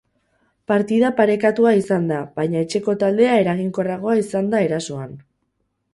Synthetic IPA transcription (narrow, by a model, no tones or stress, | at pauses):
paɾt̪iðapaɾe̞kat̪uaisand̪aβajɲaet͡ʃe̞ko̞t̪ald̪e̞ae̞ɾaɣiŋko̞raɣ̞o̞aisand̪ae̞ɾaso̞an